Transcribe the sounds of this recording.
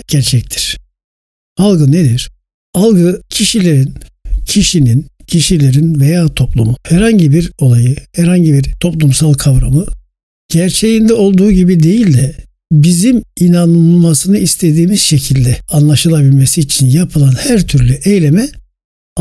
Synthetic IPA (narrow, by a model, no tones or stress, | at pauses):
ɟ̥æɾt͡ʃʰɛc̚t̪ʰi̥ɾ̥ | alˠɡɯned̪iɾ̥ | alˠɡɯcʰiʃilʲe̞ɾincʰiʃinincʰiʃilʲe̞ɾinve̞jaːt̪ʰo̞plˠumuhɛɾhaɲɟibiɾo̞lˠajɯhɛɾhaɲɟibiɾt̪ʰo̞plˠumsalˠkʰavɾamɯ | ɟ̥æɾt͡ʃʰe̞jind̪ɛo̞lˠd̪uːɟibid̪e̞jilʲd̪ɛ | biziminanˠmasɯnɯist̪ʰe̞d̪iːmiz̥ʃe̞cʰilʲd̪ɛanlˠaʃɯlˠabilʲmesiːt͡ʃʰinjapʰɯlˠanhæɾt̪ʰyɾlʲyʔejlʲe̞mɛ